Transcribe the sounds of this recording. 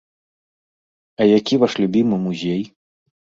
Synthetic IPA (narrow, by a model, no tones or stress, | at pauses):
ɐjakʲivaʂlʲubʲimɨmuzʲej